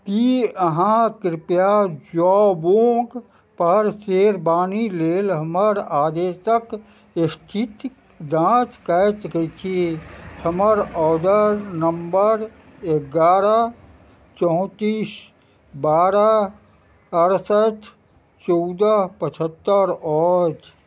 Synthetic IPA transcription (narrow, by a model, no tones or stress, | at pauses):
kiəɦãkɾɪpjad͡ʒɔːboːɡ | pəɾseːɾbaːnileːlɦəməɾaːd̪eːʃək | ɪst̪ʰit̪ | d̪ãːt͡ʃkət̪kət͡ʃʰihʰəməɾɔːd̪əɾnəmbəɾ | eɡaːɾə | t͡ʃɔːt̪iːs | baːɾə | əɾsət̪ | t͡ʃɔwd̪əpət͡ʃʰət̪ːəɾɔːd͡ʒ